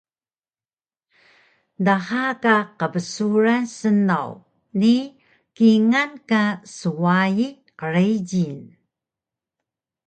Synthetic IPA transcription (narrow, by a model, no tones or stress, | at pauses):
dahakaqəbəsuɾasəna̰w | ni | kiŋankasuwaji | qəɾejɟin